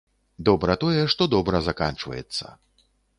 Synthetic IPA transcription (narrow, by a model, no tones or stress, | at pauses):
d̪ɔbɾɐt̪ɔjɛʂt̪ɔd̪ɔbɾɐzakant͡ʂvɐ̰jɛ̰t̪sːɐ̰